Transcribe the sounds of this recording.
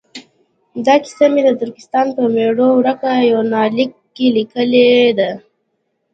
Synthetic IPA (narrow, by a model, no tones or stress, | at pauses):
d̪ɑkɪ̥samed̪əd̪ʊɾkɪ̥st̪ɑnpəmeɽowɾəkajawnɑlikːelikəled̪a